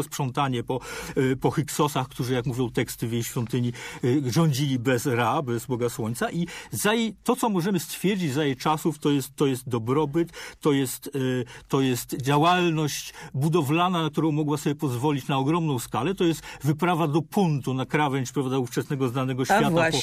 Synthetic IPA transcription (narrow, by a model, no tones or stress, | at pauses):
spʂɔnt̪aɲɛpɔpɔxiksɔsaxkt̪uʐɨjakmuvʲjɔ̃w̃t̪ɛkst̪ɘvʲjejɕfʲjɔnt̪ɘɲiʐɔɲd͡ʑilʲibɛzɾabɛzbɔɡaswɔɲt̪saʔizajet̪ɔt̪sɔmɔʐɛmɘst̪fʲjɛɾd͡ʑid͡ʑzajɛt͡ʂasuft̪ɔjɛst̪ːɔjɛst̪̚d̪ɔbɾɔbɘt̪ːɔjɛst̪ːɔjɛst̪d͡ʑawalnɔɕt͡ɕbud̪ɔvlananak̚t̪uɾɔ̃w̃mɔɡwasɔbjɛpɔzvɔlʲit͡ɕnaɔɡɾɔmnɔ̃w̃skalɛt̪ɔjɛst̪vɘpɾavad̪ɔpʰunt̪unakɾavɛnʲt͡ɕpɾavd̪auft͡ʂɛsnɛɡɔznanɛɡɔɕfjat̪a